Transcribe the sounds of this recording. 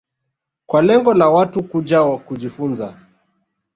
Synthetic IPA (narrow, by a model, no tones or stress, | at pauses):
kwalɛŋɡɔlawatukud͡ʒawakud͡ʒifunza